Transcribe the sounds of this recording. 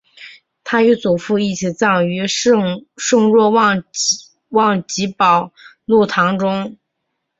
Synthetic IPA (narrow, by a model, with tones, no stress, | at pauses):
t̪ʰa˥y˧˥t͡su˨˩fu˥˧i˥˩t͡ɕʰi˨˩t͡sɑ˥˩ŋy˧˥ | ʂɤ˥˧ŋɻwɔ˥˧w | wɑ˥˩ŋt͡ɕi˧˥pɑ˨˩ʊ | lu˥˩t̪ʰɑ˧˥ŋʈ͡ʂʊ˥ŋ